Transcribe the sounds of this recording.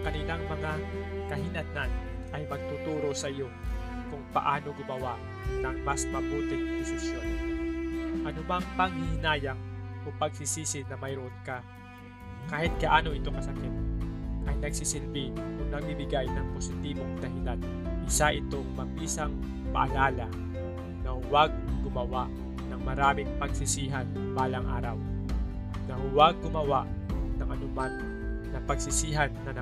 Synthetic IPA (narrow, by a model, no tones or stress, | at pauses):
kɐnilaŋmɐŋakɐɦɪlananʔɐjmɐɡ̚t̪ut̪uːɾo̞sɐʔɪjo | kʊŋpɐ̰ʔaːno̞ɡɪmɐwaʔ | nɐŋmasmɐbuːt̪ɪŋdɪsɪʃjon | ʔɐnʊbaŋpaŋhɪhɪnaːjaŋ̚ʔopɐɡsɪsiːsɪnɐmɐjɾʊʔonka | kaːhɪt̪̚ɡɐʔaːno̞ʔɪt̪oŋkɐsɐkɪt̪̚ʔɐjnɐɡsɪsɪlbɪʔʊŋnɐɡ̚bibɪɡajnɐŋposɪt̪iːbo̞ŋd̪ɐɦɪlan | ʔɪsaʔɪt̪oŋmɐpiːsɐŋ | pa̰ʔa̰laːlɐ | nɐhʊwaɡ̚ɡʊmɐwaʔ | nɐŋmɐɾaːmɪŋpɐɡsɪsiːɦan | baːlɐŋʔa̰ːɾɐw | nɐhʊwaɡ̚ːʊmɐwaʔ | nɐŋʔɐnʊmanː | ɐpɐɡsɪsiɦanːɐn